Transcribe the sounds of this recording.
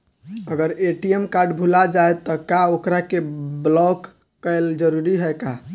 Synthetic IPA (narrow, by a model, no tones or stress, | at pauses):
əɡəɾeʈiemkaɾɖbʱulad͡ʒaejt̪ɔkaokɾakeblɔkː | əeld͡ʒəɾuɾiɦɛka